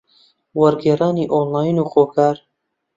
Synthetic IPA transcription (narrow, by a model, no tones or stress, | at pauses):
wɐɾɡeːraːniːʔoːnlaːjnuːxoːkʰaːɾ